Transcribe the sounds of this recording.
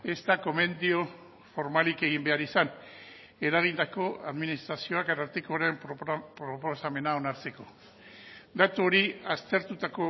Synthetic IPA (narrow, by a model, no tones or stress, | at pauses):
e̞st̪ako̞me̞nd̪io | fo̞ɾmalike̞ɣimbe̞aɾisan | e̞ɾaɣ̞ind̪ako̞a̰ðminist̪ɾasio̞akaɾaɾt̪eko̞ɾempɾopo̞same̞nao̞naɾt͡se̞ko̞ | d̪at̪uo̞ɾiast̪e̞ɾt̪ut̪ako̞